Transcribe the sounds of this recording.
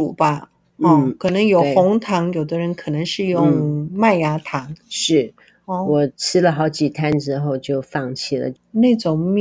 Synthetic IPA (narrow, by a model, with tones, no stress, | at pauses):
ṵ˨˩bɐ˧˦˥ | kʰɤ˨˩nɤ˧˥ŋjo˨˩ʊʊ˧˥ŋt̪ʰɑ˧˥ŋjo˨˩ʊd̪ə˦ɻə˧˥nkʰɤ̥˨˩nɤ˧˥ŋʂɻ̩˥˧jʊ˥˧ŋma˥˩ɪja˧˥t̪ʰɑ˧˥ŋʂɻ̩˥˩ | ɔ˥˩wɔ˨˩ʈ͡ʂʰɻ̩˥lə˨xɑ˧˥ʊt͡ɕi˨˩t̪ʰa˥nʈ͡ʂɻ̩˥xo˥˧ʊt͡ɕjo˥˧ʊfɑ˥˧ŋt͡ɕʰi˥˩lə̰˩ | ne˥˩ɪʈ͡ʂʊ˨˩ŋm˥